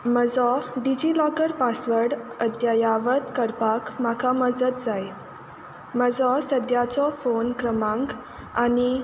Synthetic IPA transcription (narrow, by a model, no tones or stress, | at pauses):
məd͡zɔɖid͡ʑilɔkəɾpasʋəɾɽəd̪jajaʋət̪kəɾpakmakʰaməd͡zət̪̚d͡zaj | məd͡zɔsəd̪jat͡sɔfonkɾəmãŋɡ | añi